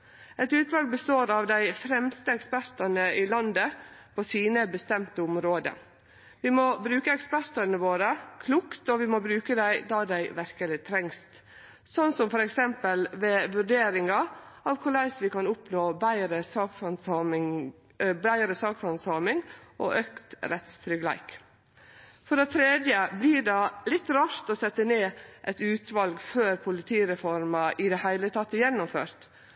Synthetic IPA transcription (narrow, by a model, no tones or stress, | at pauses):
ɛt̪ʉːt̪ʋɑlɡ̚bəst̪oːɾɑʋd̪æɪfɾɛmst̪əɛkspæɾt̪ɑnəɪlɑnd̪əpʰɔsiːnəbəst̪ɛmt̪əʊmɾoːd̪ə̰ | ʋɪmɔbɾʉːkəɛkspæɾt̪ɑnəʋoːɾəkʰlʊkt̪ɔʋɪmɔbɾʉːkəd̪æɪd̪ɑd̪æɪʋæɾkəlɪt̪ʰɾɛŋst̪ | sɔnːsɔmfɔɾɛksɛmpəlʋeːʋʉɖeːɾɪŋɑɑʋkʰuːlæɪsʋɪkɑnʊpnoːbæɪɾəsɑːksɑnsɑmɪ | bɾæɪɾəsɑːksɑnsɑmɪŋʔo̰ʔøːkt̪ɾɛt̪st̪ʰɾʏɡlæ̰ɪk | fɔɖɛt̪ʰɾeːd̪jəbliːɖɑlɪt̪ːɾɑːʂt̪ɔsɛt̪ːəneːʔɛt̪ʉːt̪ʋɑlɡføːɾpʰʊlɪt̪ʰiːɾɛfɔɾmɑʔɪd̪ɛhæɪlət̪ʰɑt̪ːəjɛnːʊmføːɾt̪